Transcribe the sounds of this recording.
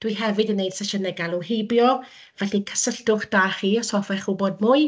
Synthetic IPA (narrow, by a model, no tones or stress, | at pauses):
d̥wiɦɛvɨdənːejd̥sɛʃənɛɡalˠuhejbjɔ | vɛɬikʰə̥səɬd̥ʊχd̥aːχiːɔsɔfɛχubod̚mʊɨ